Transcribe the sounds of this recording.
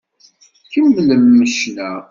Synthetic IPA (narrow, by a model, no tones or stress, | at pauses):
çəmːləmːəʃnæ